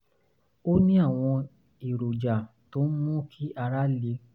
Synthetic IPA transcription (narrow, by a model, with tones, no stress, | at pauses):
o˦nĩ˦a˦˨w̃ɔ̃˧ | i˨ɾo˨d͡ʒa˨ | to˨˦n̩˦mũ˦kʰi˦ʔa˧ɾa˦le˨˧˦